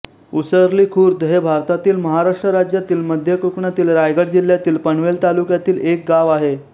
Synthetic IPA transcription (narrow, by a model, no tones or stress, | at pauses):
usəɾliːkʰuːɾd̪əɦebʱaɾt̪at̪iːlməɦaɾaʂʈɾəɾad͡ʑjat̪iːlməd̪ʱjəkukɳat̪iːlɾajɡəʈd͡ʑil̤jat̪iːlpəɳʋelt̪alukjat̪iːlek̚ɡaʋaɦe